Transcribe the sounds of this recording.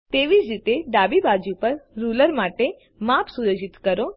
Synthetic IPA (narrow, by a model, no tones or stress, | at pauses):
t̪eʋid͡ʒɾit̪eɖ̪abibad͡ʒupəɾːuləɾmaʈe | mapsuɾəd͡ʒit̪kəɾo